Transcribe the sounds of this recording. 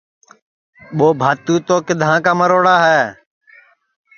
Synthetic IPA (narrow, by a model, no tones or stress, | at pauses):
ɓoːbʱaːt̪uːt̪oːkɪd̪ʱãːkaːməɾoːɽaːɦɛː